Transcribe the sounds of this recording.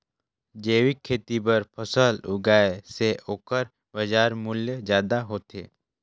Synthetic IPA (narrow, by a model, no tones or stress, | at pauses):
d͡ʒeːwikʰːeːt̪ibəɾpʰəsəlʊ̰ɡaːeseʔoːkəɾ | bəd͡ʒaːɾmʊljəd͡ʒjaːd̪aɦoːt̪ḛː